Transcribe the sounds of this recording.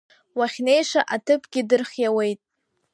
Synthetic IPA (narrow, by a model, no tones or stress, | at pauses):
waχʲne̞jʂaʔatʰɨpʰɡʲɪdɨrχʲjawe̞jtʼ